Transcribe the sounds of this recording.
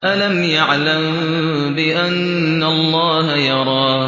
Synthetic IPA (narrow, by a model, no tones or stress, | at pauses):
ʔalamjaʕlam | bɪʔanː | alˤːɑːhajɑɾˤɑː